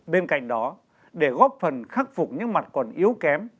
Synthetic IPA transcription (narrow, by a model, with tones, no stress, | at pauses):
ɓe˧nka̰˧˨jŋ̟ɗɔ˨˦ | ɗe˧˩ɣɔ˦˥p̚fə˨˩nxaː˦˥k̚fʊ˨˩k͡p̚ɲɨ̰˧˥ŋma˨˩t̚kɔ˨˩nʔi˨˦əwkɛ˨˦m